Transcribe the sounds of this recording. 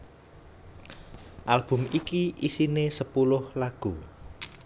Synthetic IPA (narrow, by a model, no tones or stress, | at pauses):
ʔalb̥ʊ̤mikiisinesəpulʊhlaɡ̥u